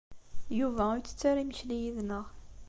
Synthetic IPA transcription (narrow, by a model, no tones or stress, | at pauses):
juvæujt͡sːə̥t͡sːaɾimçlijiðnəʁ